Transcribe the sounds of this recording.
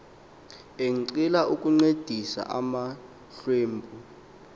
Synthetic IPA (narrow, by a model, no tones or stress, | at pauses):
eŋ̩ǀilaʔukʼuŋ͡ǀed̥ʱisa̰ʔama | ɬeːmbʱu